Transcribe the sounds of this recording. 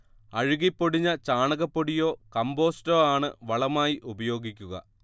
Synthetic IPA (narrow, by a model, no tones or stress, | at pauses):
ɐɻuɣipːoɽiɲːɐt͡ɕaːɳɐɣɐpːoɽijo̞ːkɐmbo̞ːsto̞ːaːɳɨʋɐɭɐmaːjiʔubɐjo̞ːɡikʲːuɣɐ̰